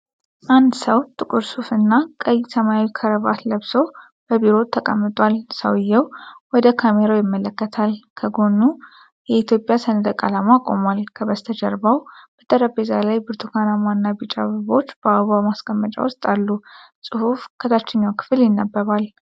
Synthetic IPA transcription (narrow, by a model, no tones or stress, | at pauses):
ʔand̪səwt̪ʼɨkʼuɾsufɨnːakʼəjsəmawikʰəɾəβa̰t̪ləβso̞ | b̥əbiɾo̞t̪ʰːəkʼə̰mːɨt̪ʼwalsəwjːɛwwɔd̪əkʰameɾajɪmːələkːət̪ʰalkʰəɡo̞nːu | jɛit̪ʰjo̞pʼjasənɨd̪əkʼalamakʼo̞̰malkʰəβəst̪ʰəd͡ʒəɾbawb̥ət̪ʰʼəɾəbezalajbɨɾt̪ʰukʰanamanːabit͡ʃʼa̰βəβo̞t͡ʃːb̥əaβamaskʼəmːət͡ʃʼa̰wʊst̪ʼalːusʼɨhufkʰət̪ʰat͡ʃːɪɲːawkʰɨ̥fɨljɪnːabːəβal